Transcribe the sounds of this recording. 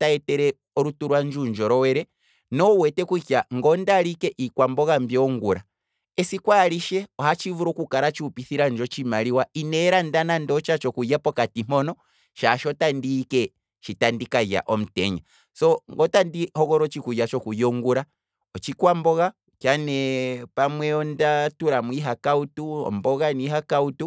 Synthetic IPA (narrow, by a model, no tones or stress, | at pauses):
taɛtɛɾɛ | ɔɾutuɾwand͡ʒund͡ʒɔɾɔwɛɾɛ | nɔwɛtɛkukjaŋɡɔndalikɛʔikwambɔɣambjɔŋɡuɾa | ɛsikwaliʃɛɔhat͡ʃivuɾɔkukaɾat͡ʃiupiθiɾand͡ʒɔt͡ʃimaliwainɛɾandanandɔt͡ʃat͡ʃɔkujapɔkatim̥ɔnɔ | ʃaʃɔtandiːkɛ | ʃitandikaja̰ʔɔm̩tɛ̰ɲa | sɔŋɡɔtandihɔɣɔɾɔt͡ʃikujat͡ʃɔkujɔŋɡuɾa | ɔt͡ʃikwambɔɣa | kjanɛpamwɛɔndatuɾamwiɦakautuɔ̰mbɔɣaniɦakautu